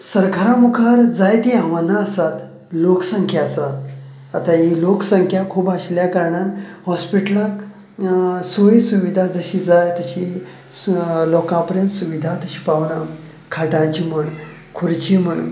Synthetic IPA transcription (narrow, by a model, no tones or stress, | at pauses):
səɾkʰaɾãmukʰaɾd͡zajt̪iãʋənːaəsat̪ | loksəŋkʰjasaː | t̪ãɦiloksəŋkʰjakʰuːbaɕljakəɾɳanhɔspiʈəlak | soɦisuʋid̪ʱad͡zəɕid͡zajt̪əɕi | lɔkãpəɾjə̃nt̪suʋid̪ʱat̪əɕi̥paʋna | kʰaʈãt͡ɕim̤əɳ | kʰuɾt͡ɕim̤əɳṵn